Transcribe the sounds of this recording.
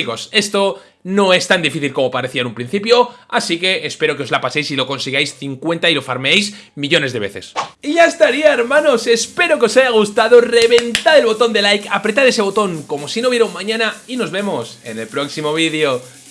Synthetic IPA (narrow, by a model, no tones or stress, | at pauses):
iɣose̞st̪o̞ | no̞e̞st̪and̪ifiθilko̞mo̞paɾe̞θiaenũmpɾin̟θipjo̞asike̞ːspe̞ɾo̞keozlapase̞jsilo̞ko̞nsiɣajsθiŋkwe̞nt̪ailo̞faɾmeejsmiʎo̞ne̞zðe̞βe̞θe̞̰siʝaest̪aɾiaeɾmãno̞se̞spe̞ɾo̞keo̞saʝaɣ̞ust̪aðore̞βe̞nt̪aðe̞lβo̞t̪o̞nd̪e̞lajkapɾe̞t̪aɾe̞se̞βo̞t̪o̞ŋko̞mo̞sinoβjeɾoŋmãɲãnaino̞zβe̞mo̞se̞ne̞lpɾo̞ksimo̞β̞iðjo